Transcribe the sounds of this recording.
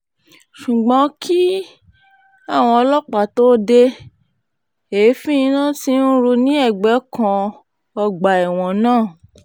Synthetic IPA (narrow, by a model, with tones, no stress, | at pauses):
ʃu˨ɡ͡bɔ̃˨˧˦kʰi˦ | a˦˨w̃ɔ̃˧ɔ˧lɔ˦k͡pa˨to˦de˧ | e˨˦fĩ˦ĩ˧nã˦˨ti˧˦n̩˦ɾu˧nĩ˦ɛ˦˨ɡ͡bɛ˨˦kã˧ | ɔ˧ɡ͡ba˨ɛ˨w̃ɔ̃˨nãː˦˨